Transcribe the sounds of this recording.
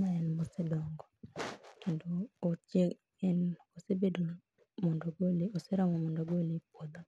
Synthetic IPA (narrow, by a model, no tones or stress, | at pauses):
ɲaɛnmosɛdɔŋɡɔkendoːt͡ʃe | ɛn | osebedo | mɔndɔɡolioseɾamɔmɔndɔɡolipod̪ɔ